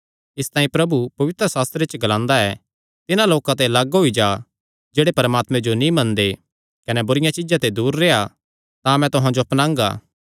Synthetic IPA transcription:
ɪst̪ãːĩpɾɐbupɐʋɪt̪ɾəsaːst̪ɾet͡ʃɡɐlãːnd̪aɛː | t̪ɪnãloːkãt̪̬elɐɡɦoid͡ʒaː | d͡ʒeːɽepɐɾəmaːt̪mɛ̃d͡ʒonĩmɐ̃nd̪e | kɐnɛbʊɾɪjãt͡ʃɪd͡ʒãt̪ed̪uːɾːeːa | t̪ãmɛ̃t̪ʊɦãd͡ʒoɐpnãːŋɡa̰ː

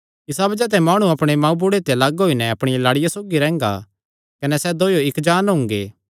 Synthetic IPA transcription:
ɪsabɐd͡ʒɛt̪̬ɛmaːɽ̃uɐpɽ̃emãːũbʊɽet̪eɐlɐɡɦoːinɛɐpɽ̃ɪjalaːɽɪjasoːɡiɾɛ̃ːŋ̆ɡa̰ | kɐnɛsɛd̪oːjoɪkd͡ʒaːnɦʊ̃ŋɡeː

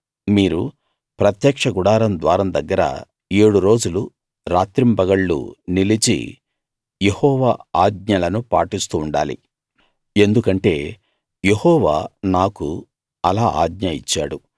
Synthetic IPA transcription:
miːɾu | pɾɐt̪jɐkʂɐɡuɽaːɾɐmd̪ʋaːɾɐmd̪ɐɡːɐɾɐ̰ | eːɽuɾo̞ːd͡ʒulu | ɾaːt̪ɾimbɐɡɐɭːṵnilit͡ʃḭ | jehɔːʋaːaːd̪̚ɲɐlɐnupaːʈist̪uːɳɖa̰ːlḭ | e̞nd̪ukɐɳʈe̞ː | je̞hɔːʋaːnaːku | ɐlaːʔa̰ːd̪̚ɲɐit͡ʃːa̰ːɽu

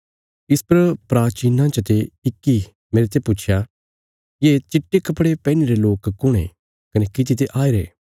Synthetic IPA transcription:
ɪspɐɾpɾaːt͡ʃiːnãt͡ʃət̪eɪkːi | meːɾet̪̬epʊt͡ʃʰja | jeːt͡ʃɪʈːekɐpɽepɛ̃ːneɾeloːkkːʊɽ̃ḛ̃ | kɐnekɪt̪̬it̪̬eʔaːeɾḛː

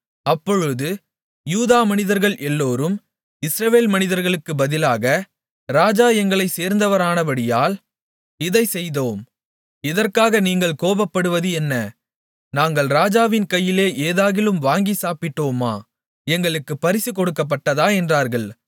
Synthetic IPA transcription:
ɐpːɔɻɯðɯ | juːðaːmɐnɪðɐɾɣɐɭʔɛlːoːɾɯm | ɪsɾɐʋeːlmɐnɪðɐɾɣɐɭɯkːɯbɐðɪlaːɣɐ | ɾaːd͡ʒaːɛŋɡɐɭɐɪseːɾnd̪ɐʋɐɾaːnɐbɐɽɪjaːl | ɪðɐɪsɛjðoːm | ɪðɐrkaːɣɐniːŋɡɐɭkoːbɐpːɐɽɯʋɐðɯɛnːɐ | naːŋɡɐɭɾaːd͡ʒaːʋɪnkɐjːɪleːʔeːðaːɣɪlɯmʋaːŋɡisaːpɪʈːoːma̰ː | ɛŋɡɐɭɯkːɯpːɐɾɪsikɔɽɯkːɐp̬ːɐʈːɐðaːɛndraːɾɣɐɭ

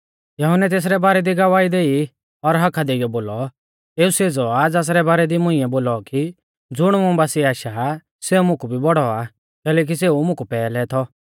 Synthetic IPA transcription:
jɐɦʊnɛt̪eːs̬ɾɛbaːɾɛd̪iɡɐʋaːid̪eːi | ɔɾɦɐkʰad̪eɪjɔboːlɔ | eːuseːd͡zɔad͡zaːs̬ɾɛbaːɾɛd̪imʊ̃ɪ̃ɛboːlɔki | d͡zʊɽ̃mʊ̃baːsiaːʃa | seumʊ̃kubʱibɔɽɔa | kɛːlɛːk̬is̬eːumʊ̃kupɛːlɛt̪ʰɔ

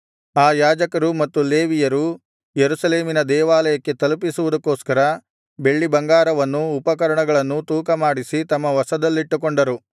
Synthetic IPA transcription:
aːjaːd͡ʒɐkɐɾumɐt̪ːuleːʋijɐɾu | jeɾusɐleːminɐd̪ɛːʋaːlɐjɐkːe̞t̪ɐlupisuʋud̪ɐkːoːskɐɾɐ | be̞ɭːibɐŋɡaːɾɐʋɐnːuːpɐkɐɾɐɳɐɡɐɭɐnːut̪uːkɐmaːɽisit̪ɐmːɐʋɐsɐd̪ɐlːiʈːukoɳɖɐɾu

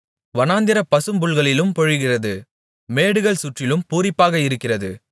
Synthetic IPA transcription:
ʋɐnaːnd̪ɪɾɐpɐsɯmbʊɭɣɐɭɪlɯmpɔɻɯɣɪrɐðɯ | meːɽɯɣɐɭsʊʈrɪlɯmpuːɾɪpːaːɣɐɪɾɯkːɪrɐðɯ̰

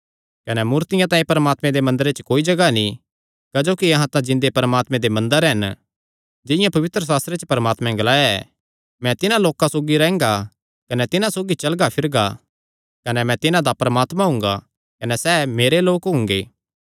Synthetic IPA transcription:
kɐnɛmuːɾt̪ɪjãt̪ãːĩpɐɾəmaːt̪mɛ̃d̪emɐ̃nd̪əɾet͡ʃkoːid͡ʒɐɡanĩ | kɐd͡ʒoːkiɐɦãt̪ãd͡ʒɪ̃nd̪epɐɾəmaːt̪mẽd̪emɐ̃nd̪əɾɦɐn | d͡ʒɪ̃jãpɐʋɪt̪ɾəs̬aːst̪ɾet͡ʃpɐɾəmaːt̪mɛ̃ɡɐlaːjaɛ | mɛ̃t̪ɪnãloːkãsoːɡiɾɛ̃ːŋɡa | kɐnɛt̪ɪnãsoːɡit͡ʃɐlɡapʰɪɾɡa | kɐnɛmɛ̃t̪ɪnãd̪apɾɐəmaːt̪mãɦʊ̃ŋ̆ɡa | kɐnɛsɛːmeːɾeloːkɦʊ̃ŋɡeː

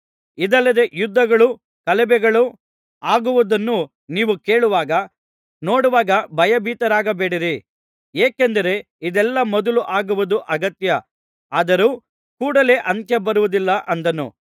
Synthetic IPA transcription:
id̪ɐlːɐd̪e̞ʔjud̪ːɐɡɐɭu | kɐlɛbɛɡɐɭu | aːɡuʋud̪ɐnːu | niːʋuke̞ːɭuʋaːɡɐ | noːɽuʋaːɡɐbʱɐjɐbʱiːt̪ɐɾaːɡɐbeːɽiɾi | eːkend̪ɐɾe̞ | id̪ɛlːɐmɔd̪ɐluʔaːɡuʋud̪uʔɐɡɐt̪jɐ | aːd̪ɐɾuː | kuːɽɐle̞ːʔɐnt̪jɐbɐɾuʋud̪ilːɐʔɐnd̪ɐnṵ

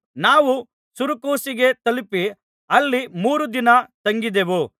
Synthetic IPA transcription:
naːʋu | suɾukoːsiɡe̞t̪ɐlipi | ɐlːimuːɾud̪inɐt̪ɐŋɡid̪eʋu

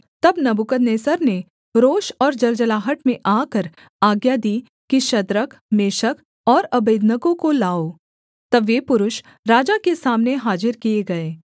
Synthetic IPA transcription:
t̪ɐbnɐbʊkəd̪neːsəɾne | ɾoːʃɔːɾd͡ʒɐld͡ʒəlaːɦəʈmẽʔaːkəɾ | aːɡjad̪iː | kiʃɐd̪ɾəkmeːʃək | ɔːɾɐbeːd̪nəkõkolaːoː | t̪ɐbːepʊɾʊʃ | ɾaːd͡ʒakesaːmneɦaːd͡ʒɪɾkieɡɐeː

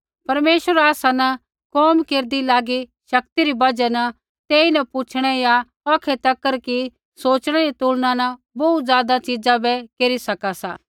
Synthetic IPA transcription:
pɐɾmeːʃəɾaːsanɐ | kɔːmkeːɾd̪ilaːɡiʃɐkt̪iɾibɐd͡ʒɛnɐ | t̪eːinɐput͡ʃʰɽ̃ɛja | ɔːkʰet̪ɐkːəɾki | soːt͡ʃɽ̃ɛɾit̪uːlnãnɐ | bɔut̪zjaːd̪at͡ʃid͡ʒãbɛkeːɾisɐkasa̰ː

